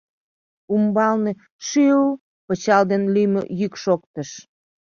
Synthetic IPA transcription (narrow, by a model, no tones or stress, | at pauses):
umbɑlne | ʃyu | pət͡ɕɑld̪enlymøjykʃokt̪əʃ